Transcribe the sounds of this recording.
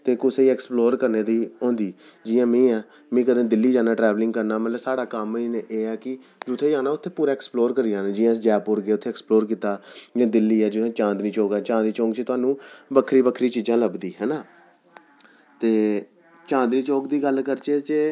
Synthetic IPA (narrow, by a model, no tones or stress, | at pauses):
t̪eːkʊseɛːksploːɾkəɾneːd̪iːõːnd̪iː | d͡ʒɪjãːmĩːɛː | mẽːkəd̪ẽːd̪ɪlːiːd͡ʒaːnaːʈɾɛːʋlɪ̃ŋɡkəɾnaːmət̪ləbsaːɽaːkəmiːneʔeːɛːkɪ | d͡ʒʊt̪ʰːeːd͡ʒaːnaːʊt̪ʰːeːpuːɾaːɛksploːɾkəɾiaːnaːd͡ʒɪːãːd͡ʒɛːpʊɾɡɪeːʊt̪ʰːeːksploːɾkiːt̪aːd͡ʒãːd̪ɪlːiːɛːd͡ʒʊt̪ʰẽːt͡ʃãːnd̪ɾiːt͡ʃoːɡɛːt͡ʃãːnd̪ɾiːt͡ʃõːŋɡt͡ʃet̪ʊaːnũːbəkʰɾiːbəkʰɾiːt͡ʃiːd͡ʒãːləbd̪iːɦɛːnaː | t̪eː | t͡ʃãːnd̪ɾiːt͡ʃoːkd̪iːɡəlkəɾt͡ʃeːt͡ʃe